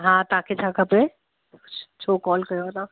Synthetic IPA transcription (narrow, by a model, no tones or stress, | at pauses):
ɦãt̪aːkʰet͡ʃʰakʰɐpe | kʊt͡ʃt͡ʃʰoːkɔːlkɐɾaːt̪ã